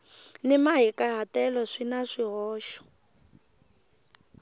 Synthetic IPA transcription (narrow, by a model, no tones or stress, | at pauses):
nimaɦikʼaɦatɛlɔʂinaʂiɦɔːʃɔ̥